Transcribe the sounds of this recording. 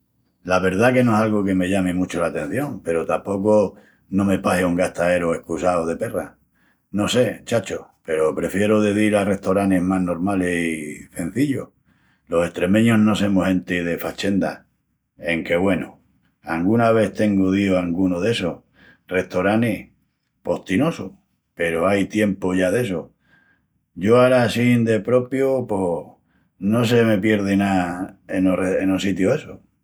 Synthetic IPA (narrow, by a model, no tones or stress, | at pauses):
laβe̞ɾð̞ake̞noesalɣoke̞me̞ʎamimut͡ʃolat̪e̞n̟θjo̞ŋpe̞ɾot̪ampo̞ko | nõ̞me̞paseuŋɡaht̪ae̞ɾoe̞hkusaoð̞e̞pe̞ra | no̞se̞t͡ʃat͡ʃope̞ɾopɾe̞fje̞ɾoðe̞ðiɾare̞ht̪oɾaneɦmaɦno̞ɾmalehise̞n̟θiʎo | lo̞se̞ht̪ɾe̞mẽ̞ɲo̞ɦno̞se̞mohẽ̞nt̪eðe̞fat͡ʃe̞nd̪a̰ | e̞ŋke̞βwe̞no̰ | aŋɡunaβ̞e̞θt̪e̞ŋɡoðioaŋɡunoðe̞so | re̞ht̪oɾanih | po̞ht̪ino̞so | pe̞ɾoajt̪je̞mpoʝaðe̞so | ɟ͡ʝo̞aɾasind̪e̞pɾo̞pjopo | no̞s̬eme̞pje̞ɾð̞enaenoreenosit̪joe̞so